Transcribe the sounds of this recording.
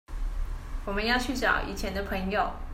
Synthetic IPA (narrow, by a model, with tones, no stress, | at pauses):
wɔ˨˩mə˦njɑ˥˧ʊt͡ɕʰy˥˩t͡ɕjɑ̰˨˩ʊʔḭ˥˩t͡ɕʰjɛ˧˥nd̪ə˧pʰɤ˧˥ŋjo˨˩ʊ